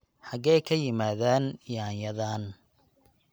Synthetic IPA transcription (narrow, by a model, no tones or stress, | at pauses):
ħɑɣɛjkʰɐjɪmaːðaːnjaːjɐðaːn